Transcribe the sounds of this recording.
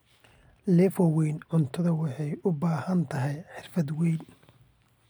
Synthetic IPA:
lɛfɔwɛjnʕʊnt̪ʰɐðɐwɑħɑjʊbaːhɐnt̪ʰɐɦɛjħɪrfɐd̪wɛjn

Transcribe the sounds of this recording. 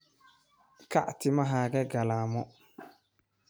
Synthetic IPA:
ka̰ʔtɪmaɦaːɡɛɡalaːmɔ

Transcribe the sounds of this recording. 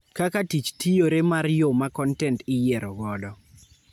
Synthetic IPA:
kakatit͡ʃtijoɾemarjomakɔntɛntɪjɛɾɔɡɔdɔ

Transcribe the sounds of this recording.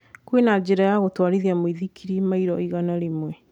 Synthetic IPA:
kwenad͡ʑeɾajaɣotwaɾiðiamoiðikʰiɾimaiɾɔiɣanaɾemwɛ

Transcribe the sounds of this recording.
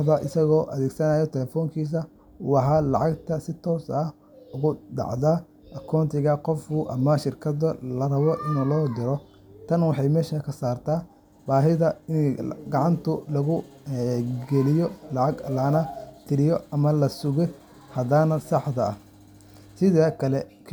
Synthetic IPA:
d̪ɐʔɪsɐɣɔːʔɐðɛːɡsɐnaːjɔt̪ʰɛlɛfɔːŋkʰiːs̬ɐ | wɑħalɑ̰ʕɑɡt̪ʰɐsɪt̪ʰɔːsɐh | ʊɣʊɖɑ̰ʕða | ʔɐkʰaːnt̪ʰɪɣɐqɔfkʊʔɐmɐʃɪrkʰɐðɐlɐrɐβɔʔɪnulɔːd̪ɪɾɔ | t̪ʰɐnwɑħɑjmɛːʃɐkʰɐsaːrt̪ʰaː | baːɦɪðɐɪnɡɑʕɑnt̪ʰʊlɐɣʊ | ɡɛlɪjɔlɑʕɑɡlɐnɐt̪ʰɪɾɪjɔɐmɐlɐsʊɣɛ | hɐðanɐsɑħd̪ɐɐ | sɪðaːkʰɐlɛ | k

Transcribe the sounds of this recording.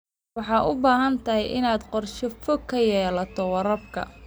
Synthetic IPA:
wɑħɑːʔʊbaːɦɐnt̪ʰɐɦɛjʔɪnaːd̪qɔrʃɪfɔkʰːɐjɛːlɐt̪ʰɔwɑɾɐbkʰɐ̰

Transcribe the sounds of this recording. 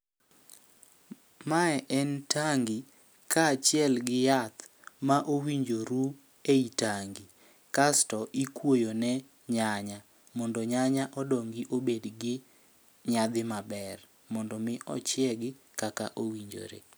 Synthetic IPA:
maɛʔɛntʰaŋɡi | kʰat͡ʃɪɛlɡɪjat̪ | maʔowiɲd͡ʒoɾu | eitaŋɡi | kastɔʔikwojonɛ | ɲaɲa | mɔndɔɲaɲaʔɔdɔŋɡiʔobedɡɪ | ɲad̪ɪmabɛr | mɔndɔmɪʔɔ̰t͡ʃɪɛɡɪ | kaka̰ʔowiɲd͡ʒo̰ɾḛ

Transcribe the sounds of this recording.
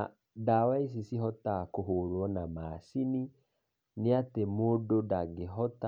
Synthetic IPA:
a | dawais̬isiɦɔtakoɦoɾwɔnamaːsini | neatemododaɡeɦɔta

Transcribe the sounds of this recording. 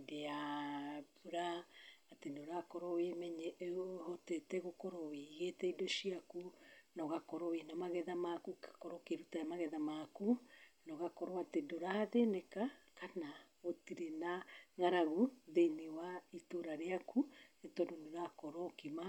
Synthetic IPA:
dea | βuɾaatenoɾakɔɾɔwemɛɲɛhɔtɛtɛɣokɔɾɔweiɣetɛidoʃiakunɔɣakɔɾɔwenamaɣɛðamakukḁkɔɾɔkeɾutajamaɣɛðamakunɔɣakɔɾɔatedoɾaðenɛkakana | otiɾenaŋaɾaɣuðeiniwaitoɾaɾeakʰunetɔdonoɾakɔɾɔkima

